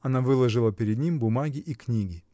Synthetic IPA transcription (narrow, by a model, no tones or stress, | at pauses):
ɐnavɨlˠəʐɨlˠəpʲɪɾʲɪd̪nʲimbʊmaɡʲɪʔiknʲiɡʲɪ